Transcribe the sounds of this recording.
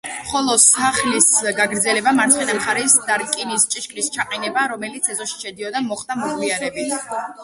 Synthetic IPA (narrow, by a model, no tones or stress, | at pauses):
mχɔlˠɔsaχlisɡaɡɾd̪zɛlɛbamaɾt̪sʰχwɛnamχaɾɛsd̪aɾkʼinist͡ʃʼiʃkʼlist͡ʃʰaqʼɛnɛbaɾɔmɛlit̪sʰɛzɔʃi̥ʃɛd̪iɔd̪amɔχd̪amɔkliaɾɛbi